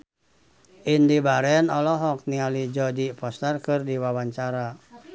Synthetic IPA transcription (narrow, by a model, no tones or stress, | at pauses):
ʔindibaɾɛnɔlɔɦɔk̚niŋalid͡ʒɔdipɔst̪ɛrkɨrdiwawaɲt͡ʃaɾa